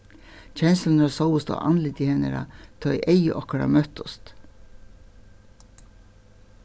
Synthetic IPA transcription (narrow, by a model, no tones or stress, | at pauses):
c͡çʰɛnslnɑsɑwʊst̪o̰ːʔɑnlɪt̪ɪhɛnəɾɑ̰t̪ʰœʏʔeɪəʔɔkəɾɑ̰mœt̪ʊst̪